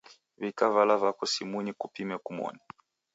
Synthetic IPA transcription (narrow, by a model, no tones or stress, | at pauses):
βikavalavakɔsimuɲikupimɛkumɔ̰ni